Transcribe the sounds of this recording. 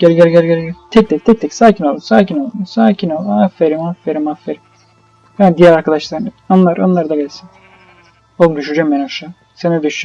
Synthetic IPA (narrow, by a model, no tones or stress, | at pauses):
ɟ̥ɛɾɡɛɾɡɛɾɡɛɾɡɛt̪ʰɛc̚t̪ʰɛc̚t̪ʰɛk̚t̪ʰɛkʲsaːkʰinolˠumsaːcinolˠusaːcʰinolˠafeɾimafeɾimafeɾim | bænd̪ijæɾaɾkad̪aʃlˠaɾnɯonlˠaɾo̰nlˠaɾd̪aɡɛlʲsin | olˠmd̪yʃyɾd͡ʒɛmːenaʃa | senɛd̪yʃ